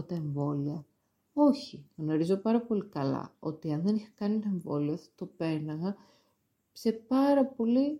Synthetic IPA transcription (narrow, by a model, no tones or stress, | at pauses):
t̪ɐeɱvo̞liɐ | o̞çiɣno̞ɾizo̞pɐɾɐpo̞likɐlɐ̰o̞̰t̪iɐnðe̞nixɐ̥kɐnit̪ɐe̞ɱvo̞liɐθɐ̥t̪o̞pe̞ɾnɐɣɐ | se̞pɐɾɐpo̞li